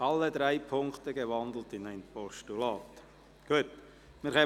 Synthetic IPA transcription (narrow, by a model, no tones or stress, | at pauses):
ɑlːəd̪ɾaɪpʰʊŋkt̪əɡəvɑnd̪l̩tɪnæɪnpɔʃtulɑːt | ɡ̥uət | mɪɾχɛː